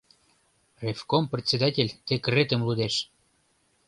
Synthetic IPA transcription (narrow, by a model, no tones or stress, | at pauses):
refkomprʲet̪ʲsʲed̪atʲelʲt̪ekret̪ə̆mlud̪eʃ